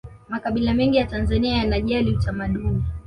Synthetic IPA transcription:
makaɓilamɛŋɡijatanzaniajanaʄaliutamaɗuni

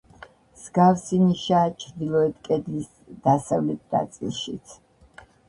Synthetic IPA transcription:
mz̥ɡafsiniʃaːt͡ʃʰɾd̪ilˠɔɛt̪̚ʰkʼɛd̪lis | d̪̥asavlɛt̪̚ʰna̰t̪sʼḭlˠʃit̪sʰ

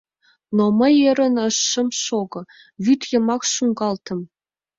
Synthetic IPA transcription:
noməjeɾə̆nəʃːə̆mʃoɡɤ̆ | vyt̪ʰjə̆mɑkʃuŋɡɑlt̪ʰə̆m

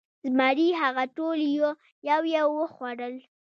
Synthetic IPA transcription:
zmaɾiɦaɣaʈoljo | jawjewəxwaɽəl

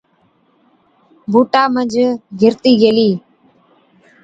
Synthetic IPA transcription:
bʱuːʈaːməd͡ʒɡʱɪɾt̪iːɡeːliː

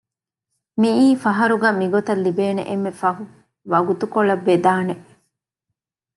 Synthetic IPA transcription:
miiːfɐɦɐɾuɡæːmiɡot̪ɐlːibeːnḛʔemːefɐɦu | ʋɐɡut̪ukoɭɐbːed̪aːneʔ

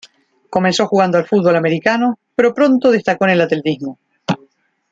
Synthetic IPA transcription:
ko̞menso̞xuɣ̞and̪oalfud̪̚βo̞lame̞ɾikanopeɾo̞pɾo̞nt̪oð̞est̪akoene̞lat̪elt̪izmo

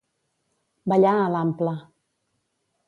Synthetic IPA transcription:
baʎaalam̩pla

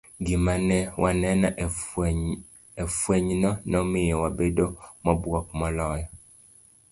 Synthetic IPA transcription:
ɡɪmanɛwʔanɛnɔ | ɛfwɛɲnɔnɔmɪjɛwabedomɔbwɔkmɔlɔjɔ

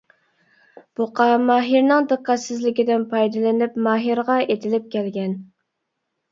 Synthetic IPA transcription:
b̥ʊqʰɑmɑːɦiɾnɨŋd̪ɨqːɑt̪sɪzlɪkʲid̪ɪnpʰɑjd̪ɨlɪnɪpmɑːɦiɾʁɑet̪ʰɪlɪp̚kʲɛlɡʲɛn

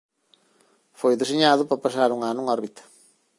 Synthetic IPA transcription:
fojd̪esiɲaðupɐpɐs̬aɾuŋanuŋoɾβit̪ɐ̥

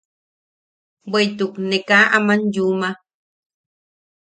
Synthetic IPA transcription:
bejt̪uknekaʔamanjuma

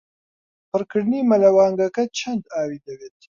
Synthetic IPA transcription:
pəɾkɨɽnimɐlɐwɑːŋɡɐkɐt͡ʃʰɐnd̪aːwiːd̪ɐweːt̪

